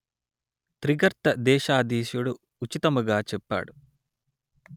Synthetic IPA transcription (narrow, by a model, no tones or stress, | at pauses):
t̪ɾiɡɐɾt̪ɐd̪ɛːʃaːd̪iːʃjuɽu | ut͡ʃit̪ɐmuɡaːt͡ʃɛpːa̰ːɽu